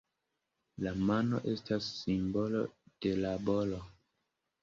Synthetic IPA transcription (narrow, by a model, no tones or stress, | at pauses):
lamano̞̰ʔe̞stasːimbo̞lo̞̰d̥e̞labolo